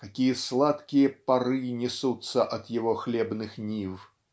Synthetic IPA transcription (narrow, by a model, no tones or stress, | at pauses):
kakʲijɐslˠat̪kʲijɐpaɾɨnʲisut̪sːɐʔɐd̪jaɣɔxlʲɛbnɨxnʲiw